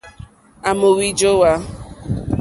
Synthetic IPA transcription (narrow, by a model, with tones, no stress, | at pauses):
a˨mo˨wi˦d͡ʒo˦wa˦